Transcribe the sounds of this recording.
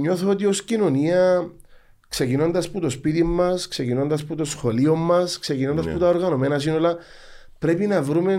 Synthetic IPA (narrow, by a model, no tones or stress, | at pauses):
ɲo̞θoot̪io̞scino̞niɐ | kse̞cino̞nd̪ɐsput̪ospit̪imːɐskse̞cino̞nd̪ɐsput̪o̞sxo̞liomːɐskse̞cinond̪ɐsput̪ɐoɾɣɐno̞me̞nɐsinolɐ | pɾe̞pinɐvɾume̞